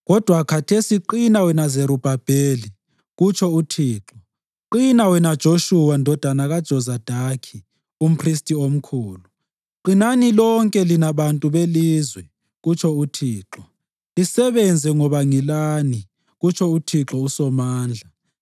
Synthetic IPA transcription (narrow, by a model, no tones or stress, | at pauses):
ɣɔd̥ʱwakʰatʰesiǃinawɛnazeɾub̥ʱab̥ʱeːli | ɣut͡ʃʰɔutʰiːǁɔ | ǃinawɛnad̥ʒ̥ʱoʃuwandʱɔd̥ʱanaɣad̥ʒ̥ʱɔzad̥ʱakʰi | um̩pʰris̬tʼiom̩kʰuːlu | ǃinanilɔŋkʼɛlinaβantʼuβeliːzwɛ | ɣut͡ʃʰɔutʰiːǁɔ | lisɛβɛnd͡zʱɛŋɔβaŋilani | ɣut͡ʃʰɔutʰiǁɔusɔmaːnd͡ɮʱa